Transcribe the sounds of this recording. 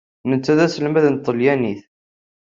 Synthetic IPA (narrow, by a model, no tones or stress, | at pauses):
nət͡sːæðæsəlmæðnət̪ˤːəljæniθ